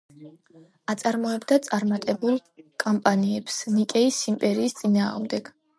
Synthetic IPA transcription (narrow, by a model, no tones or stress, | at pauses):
at̪sʼaɾmɔɛbd̪at̪sʼaɾmat̪ʼɛbulˠkʼɔmpʼaniɛpsnikʼɛisimpʼɛɾiːst̪sʼinaːʁmd̪ɛɡ̥